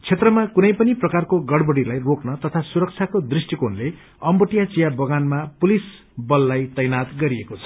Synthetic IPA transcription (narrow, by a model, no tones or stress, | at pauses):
t͡sʰet̪rʌmakunʌjpʌniprʌkarkoɡʌɽbʌɽilajroknʌt̪ʌt̪ʰasuɾʌk̚t͡sʰakod̪risʈikonle | ʌmbʌʈijat͡sijabʌɡanmapulis | bʌlːajt̪ʌjnat̪ɡʌɾiekot͡sʰʌ̥